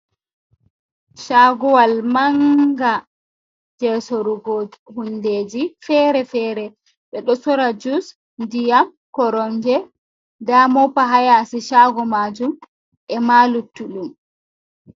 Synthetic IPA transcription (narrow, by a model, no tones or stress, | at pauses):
ʃaɡɔwalmaŋɡa | d͡ʒɛsɔɾuɡɔhundeːd͡ʒifɛɾɛfɛːɾɛ | ɓɛɗɔsɔɾad͡ʒus | ndijam | kɔɾɔɲd͡ʒɛ | damɔpaɦajasiʃaɡɔmad͡ʒum | ʔɛmalutːuɗum